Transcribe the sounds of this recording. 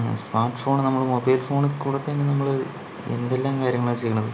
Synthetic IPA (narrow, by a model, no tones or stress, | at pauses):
smaːrʈːɨfo̞ːɳnɐmːɐɭmobɐjlfo̞ːɳkuːɽɐt̪ːenːenɐmːɐɭ | ḛnd̪elːaːmkaːɾjɐŋːɐɭet͡ɕe̞jːuɳːɐðɨ